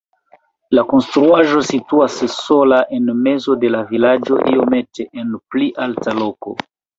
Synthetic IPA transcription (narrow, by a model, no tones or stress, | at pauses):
lako̞nstɾuaʒo̞situasso̞laʔe̞nme̞zo̞de̞lavilad͡ʒo̞̰ʔḭo̞me̞te̞ʔenpliʔaltaloko̞̰